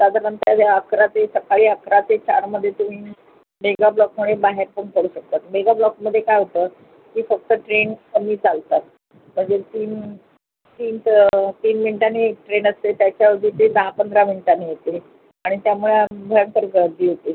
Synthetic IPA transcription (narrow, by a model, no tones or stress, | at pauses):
sad̪ʱaɾənt̪jad̪jaəkɾat͡s̪esəkaɭiːəkɾat͡set͡ɕaɾməd̪ʱːjet̪um̤iː | meɡablɔk̚məɭebaɦeɾpəɳt̪ʰoɽuːɕək̚t̪at̪meɡablɔkməd̪ʱːjekajɦot̪əː | kiːfək̚t̪əʈɾent̪əmiːt͡salt̪at̪̚ | m̤əɳd͡zet̪iːn | t̪iːntt̪iːnminʈanːeʈɾenəst̪et̪jat͡ɕjaʋəɾd̪ʱiːt̪enəɦapənd̪ʱɾaminiʈanejet̪e | aɽ̃it̪jamuɭebʱəɾəɳt̪əɾɡəɾd̪iːɦot̪e